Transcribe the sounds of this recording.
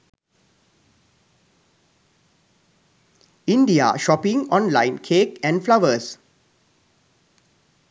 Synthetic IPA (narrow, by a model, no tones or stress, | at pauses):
ĩndia̰ʃɔpĩŋɔ̃nlãɪ̃nkʰekɛ̃nflawəs